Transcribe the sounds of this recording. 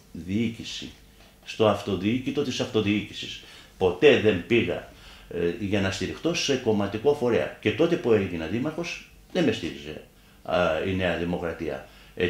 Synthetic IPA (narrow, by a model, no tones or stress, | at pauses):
ðiicisḭ | st̪o̞ɐft̪o̞ðiicit̪o̞t̪isɐft̪oðiicisi̥spo̞t̪e̞ðe̞mbiɣɐ̰ | ʝɐnɐst̪iɾixt̪o̞se̞ko̞mɐt̪iko̞fo̞ɾe̞ɐ̰ce̞t̪o̞t̪e̞pueʝinɐðimɐxo̞z̥ | ðeme̞st̪iɾize̞̰ | ine̞ɐðimo̞kɾɐt̪iɐ̰ | e